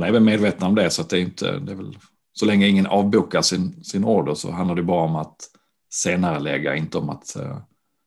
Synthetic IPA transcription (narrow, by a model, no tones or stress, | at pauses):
nɛɾvɛlmeːd̪veːt̪ənɔmd̪ɛsɔat̪̚d̪ɛjʏnt̪ʰə̰d̪ɛæɾvɛl | sɔlɛŋːəɪŋːənʔɑːvbuːkaʂɪnsɪnoːɖəsɔ̰ɦand̪laɾɖɛbɑːɾaɔmat̪ | seːnaɾəlɛ̰ːɡa̰ɪnt̪əɔma̰t̪